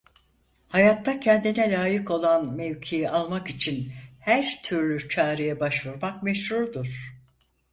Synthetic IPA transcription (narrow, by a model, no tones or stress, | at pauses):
hajat̪ːacʰɛnd̪inɛlʲaːjɯko̞lˠanmeɥcʰijialˠmakit͡ʃʰinhæɾt̪ʰyɾlʲyt͡ʃʰaːɾɯjɛbaʃvuɾmak̚mɛʃɾuɾd̪uɾ̥